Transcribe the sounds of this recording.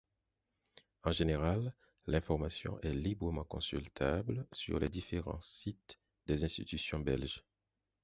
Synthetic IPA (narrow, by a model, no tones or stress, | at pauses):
ɑ̃ʒeneʁalː | ɛ̃fɔʁmasjɔ̰̃ʔɛlibʁəmɑ̃kɔ̃sylt̪ʰablsy̰ʁled̪ifeʁɑ̰̃sit̪ | d̪ezɛ̃st̪ḭt̪ysjɔ̃bɛ̰lʒ